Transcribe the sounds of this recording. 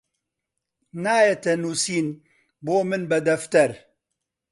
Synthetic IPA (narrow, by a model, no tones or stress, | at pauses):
naːjet̪ɛnuːsiːn | boːmɨnbɐd̪ɐft̪ɐɾ